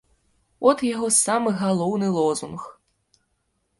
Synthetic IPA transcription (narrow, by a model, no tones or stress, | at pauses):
ɔt̪jaɣɔsamɨɣalˠɔwnɨlˠɔzunx